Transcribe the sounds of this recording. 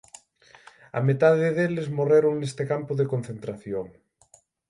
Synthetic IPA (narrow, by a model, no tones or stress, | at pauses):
a̰met̪aðeðelezmoreɾoŋnest̪ekampʊðekon̟θent̪ɾaθjoŋ